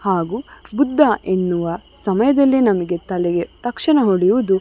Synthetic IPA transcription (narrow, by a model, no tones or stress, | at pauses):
haːɡuːbud̪ʱːɐʔenːuʋɐsɐmɐjɐd̪ɐlːinɐmɐɡe̞t̪ɐlɛɡet̪ɐkʂɐɳɐɦoɽijuʋud̪u